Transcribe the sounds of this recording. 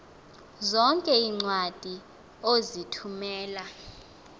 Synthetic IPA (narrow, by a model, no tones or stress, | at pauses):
zɔŋkʼɛiŋ͡ǀwad̥ʱi | ozitʰumɛːla